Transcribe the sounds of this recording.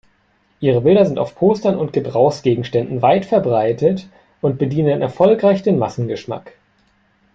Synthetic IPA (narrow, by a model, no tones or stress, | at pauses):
ʔiːʁəbɪldɐzɪnta̰ʊfpʰoːstɐnʊnt̚ɡ̥əbʁaʊxsɡ̥eːɡŋ̩ʃtɛndn̩vaɪtfɛɐbʁaɪtət | ʔʊnt̚b̥ədiːnənʔɛ̰ɐfɔlkʁ̥aɪçd̥eːnmasn̩ɡəʃma̰k